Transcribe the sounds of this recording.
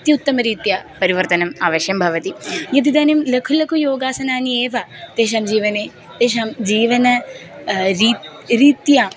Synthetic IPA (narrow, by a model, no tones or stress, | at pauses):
t̪iʊt̪ːɐmɐɾiːt̪jaːpɐɾiʋɐɾt̪ɐnɐmaːʋəʃjɐmbʱɐʋɐt̪ijɐd̪id̪ɐnimlɐkʰulɐkʰujoːɡaːsɐnaːnieːʋɐt̪eːʃ̬ɐmd͡ʒiːʋɐne | t̪eːʃ̬ɐmd͡ʒiːʋɐnɐ | ɾiː | ɾiːt̪jaː